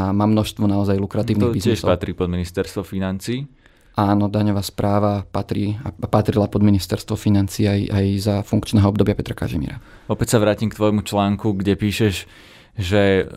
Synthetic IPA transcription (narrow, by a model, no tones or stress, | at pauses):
amaːmnɔʃst̪ʋɔnaɔzajlukɾat̪iːʊnbiznɪɛsʃɔpat̪ɾiːpɔd̪minist̪ɛɾst̪ʋɔfinant͡siː | aːnɔd̪aɲɔʋaspɾʔaːʋapat̪ɾiːapat̪ɾilapɔd̪minist̪ɛɾst̪ʋɔfinant͡siːajajzafuŋkt͡ʃnɛːɦɔɔbd̪ɔbɪapɛt̪ɾaka̰ʒɛ̰mḭːɾa̰ | ɔpɛcsaʋɾaːcimkt̪ʋɔjmut͡ʃlaːŋkuɡɟɛpiːʃɛʒ | ʒɛ